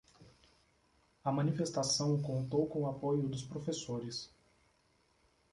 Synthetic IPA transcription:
ɐmɐ̃nifest̪asɐ̃w̃kõnt̪owkõapojʊd̪ʊspɾofesoɾɪs

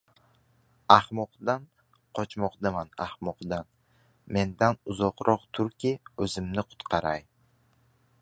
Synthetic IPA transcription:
ahmɒqd̪an | qʰɒt͡ʃmɒqd̪amanahmɒqd̪an | me̞nd̪anʊzɒqɾʔɒqt̪ʰʊɾkʲʰiɵzɪmnɪqʰʊ̥t̪qʰɑɾaj

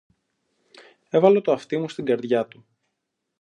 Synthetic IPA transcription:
e̞vɐlo̞t̪oɐft̪imust̪iɡɐɾðʝɐt̪u

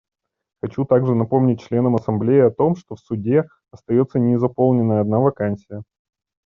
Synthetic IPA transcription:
xɐt͡ɕut̪aɡʐɨnɐpo̞mnʲɪt̚ʲt͡ɕlʲe̞nəmɐsɐmblʲejɪɐt̪o̞mʂt̪o̞fsʊdʲe | ɐst̪ɐjo̞t̪sənʲɪzɐpo̞lˠnʲɪnːəjəɐd̪navɐkansʲɪjə

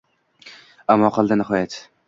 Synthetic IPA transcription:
amːɒqʰɒlˠd̪anɪhɒjat̪

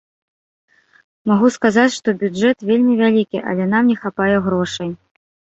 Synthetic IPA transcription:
maɣuskazat͡sʲʂt̪ɔbʲud͡ʐɛt̪vʲelʲmʲivʲalʲikʲiʔɐ̰lʲɛn̪amnʲɛxapajɛɣɾɔʂɐj

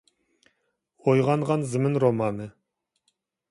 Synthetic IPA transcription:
ojʁɑɴʁɑnzɨmɪnɾomɑnɨ

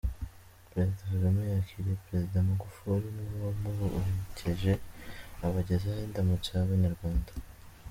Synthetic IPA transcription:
pɾezidasaɾamejaciɾijepɾe̞zidamaɡufuɾiniβamuβoʔuhecʰeʒe̞aβaɟezaheːndamut͡sojaβaɲaɾɡwaːndḁ

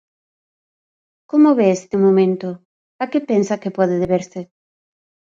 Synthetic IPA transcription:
komoβeest̪ɪmomẽnt̪ʊ | akepensɐkɪpɔðɪðeβeɾsɪ

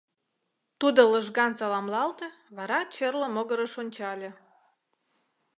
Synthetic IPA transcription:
t̪ud̪oləʒɣɑnsɑlɑmlɑlt̪ə̆ | βɑɾɑt͡ɕerləmoɣəɾəʃonʲt͡ɕɑlʲĕ

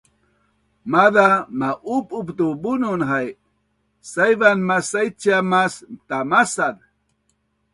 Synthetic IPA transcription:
maðamaʔupʼupt̪ubunʊnɦaj | sajβanmasajt͡ʃamast̪amasan

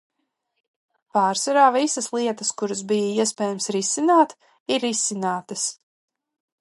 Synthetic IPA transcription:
paːɾsaɾaːvisɐslˠiɛt̪ɐskuɾɐz̬bijaiɛs̬pɛːjamsɾisinaːt̪ | iɾːisinaːt̪ɐs

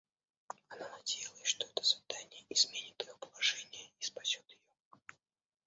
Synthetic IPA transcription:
ɐnanɐdʲejɪlˠəsʂt̪oɛt̪ə̥svʲɪt̪anʲɪjəizmʲenʲɪt̪ɨjopəlˠɐʐɛnʲɪjəispɐsʲot̪jɪjo

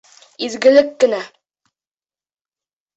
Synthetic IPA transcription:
izɡɘ̆lɘkːɘ̆næ

